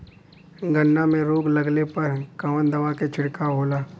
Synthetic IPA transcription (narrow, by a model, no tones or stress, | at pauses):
ɡənːamẽɾoːɡlɐɡlepɐɾkamə̃nd̪ɐʋaket͡ʃʰɪɽkaɦoːlaː